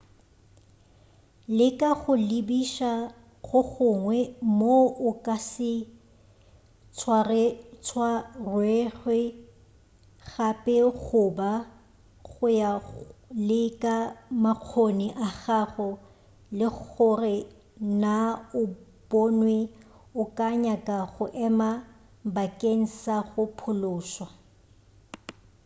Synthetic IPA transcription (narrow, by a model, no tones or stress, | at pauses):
lɪkʼaɣʊlɪbiʃa | ɣʊɣʊŋwɛmoʊkʼasɪ | t͡sʰwarɛt͡sʰwarwɛɣwɛ | ɣapʼɛɣʊba | ɣʊjalɪkʼamaq͡χʰoniʔaχaχʊ | lɪχʊrɪ | naʊ | b̥onwe | ʊkʼaɲakʼaɣʊʔɛma | bakʼeŋ̩saɣʊpʰʊlʊːswa